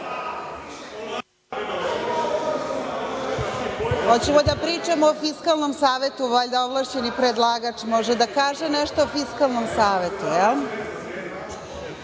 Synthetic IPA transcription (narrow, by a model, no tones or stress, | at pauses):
hot͡ɕemod̪apɾiːt͡ʂamoofiskalˠno̞msaːʋe̞t̪uʋaʎd̪aoʋlˠaʃt͡ɕenipɾed̪lˠaɡat͡ʂmoʒed̪akaːʒenɛʃt̪oofiskalˠnomsaːʋe̞t̪ujɛl